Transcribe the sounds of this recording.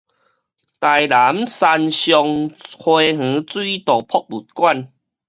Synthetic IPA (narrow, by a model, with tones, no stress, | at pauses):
t̪a˨˩jla˨˦msa˧nɕjɔ˧ŋhwe˧ɦ̩˨˧˦t͡swi˦t̪ɔ˨˩pʰɔ˦˧k̚bu˨˩t̚kwa˥˧˨n